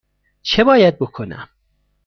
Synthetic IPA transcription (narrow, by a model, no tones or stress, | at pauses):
t͡ʃʰebɒːjæd̪̚bo̞kʰonæ̰m